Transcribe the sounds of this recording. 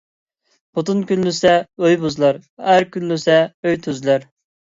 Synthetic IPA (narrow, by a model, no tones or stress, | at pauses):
b̥ʊt̪unkʲynlysɛøjbuzlˠɑɾæɾkʲynlysɛøjt̪ʰøzlæɾ